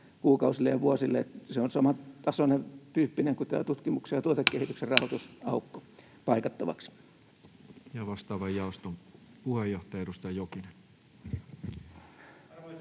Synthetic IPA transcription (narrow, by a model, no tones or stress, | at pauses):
kuːkɑusilːejɑʋuosilːeet̪seonsɑmɑt̪ɑsonet̪yːpːineŋkut̪æ̰ːt̪ut̪kimuksejɑt̪uot̪ekkehit̪ykserrɑhot̪usɑukːo̥ | pɑikɑt̪ːɑʋɑ̰ks | jɑʋɑst̪ɑːʋɑjjɑˑost̪om | puhejoht̪ɑjɑedust̪ɑjokinen